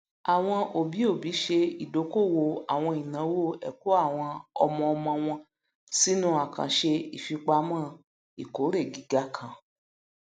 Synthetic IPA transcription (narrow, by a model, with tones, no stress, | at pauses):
a˨w̃ɔ̃˧o˨bi˨˦o˦˨bi˨˦ʃe˧i˨do˨˦ko˦˨wo˧a˨w̃ɔ̃˧i˨nã˨˦wo˦˨ɛ̰˨ko˨˦a˦˨w̃ɔ̃˧ɔ˧mɔ̃˧ɔ˧mɔ̃˧w̃ɔ̃˧ | si˦nũ˦a˨kã̰˨ʃe˧i˨fi˧k͡pa˧˦mãː˦˨ | i˨ko˨˦ɾe˦˨ɡi˨˦ɡa˦kʰã˧˨